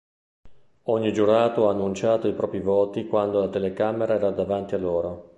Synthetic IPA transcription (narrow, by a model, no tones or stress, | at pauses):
oɲːid͡ʒuɾaːt̪oaːnːunt͡ʃaːt̪oipɾɔːpɾivɔːt̪ikwand̪olat̪elekameɾaɛːɾad̪avant̪ialːoːɾo